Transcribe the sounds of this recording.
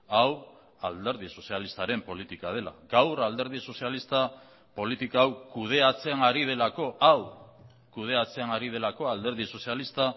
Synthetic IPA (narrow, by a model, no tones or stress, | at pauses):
aw | ald̪e̞ɾð̞iso̞sialist̪aɾe̞mpo̞lit̪ikað̞e̞la̰ɡawrald̪e̞ɾð̞iso̞sialist̪a | po̞lit̪ikaawkuð̞e̞at͡se̞naɾið̞e̞lako̞ʔaw | kuð̞e̞at͡se̞anaɾið̞e̞lako̞ald̪e̞ɾð̞iso̞sialist̪a